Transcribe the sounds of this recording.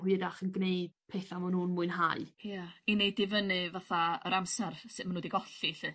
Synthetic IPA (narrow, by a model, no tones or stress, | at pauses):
hiɾaχənɡneɨd̥pʰeːθamanuːnmuɨnɦaɨjainejdɪvənɨvaθaə̰ɾamsɛrsɨðmanoːdiɡɔɬiɬɨ